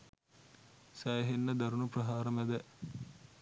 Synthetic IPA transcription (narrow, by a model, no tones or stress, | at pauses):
sæjɦenːəd̪ɐɾunuprɐɦaːɾɐmæd̪ɛ